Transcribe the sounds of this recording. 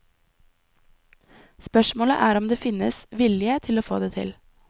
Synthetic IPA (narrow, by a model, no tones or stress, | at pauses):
spœʃmoːlə̰ʔæːɾɔmd̪eːfɪnə̰sʋɪlɪət̪ʰɪloːfo̰ːd̪eːt̪ʰɪ̰l